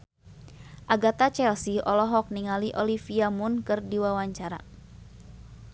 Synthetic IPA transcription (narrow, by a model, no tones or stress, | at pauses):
ʔaɡat̪at͡ʃɛlsiɔlɔɦɔk̚niŋaliʔɔlifiamunkɨrdiwawaɲt͡ʃaɾa̰